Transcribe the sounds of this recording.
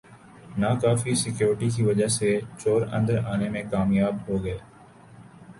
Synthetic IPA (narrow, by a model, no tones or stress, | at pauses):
naːkaːfiːsɪkjoːɾʈiːkiːʋəd͡ʒəɦseːt͡ʃoːɾə̰̃nd̪əɾaːnemẽːkaːmjaːbɦoːɡəeː